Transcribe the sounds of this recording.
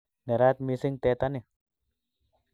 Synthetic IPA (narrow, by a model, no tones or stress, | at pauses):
naɾat̪̚misɪŋt̪et̪ane